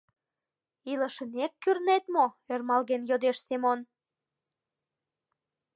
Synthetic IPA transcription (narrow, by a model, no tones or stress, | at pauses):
ilə̆ʃə̆nekːyrnet̪moermɑlɣenjod̪eʃsemon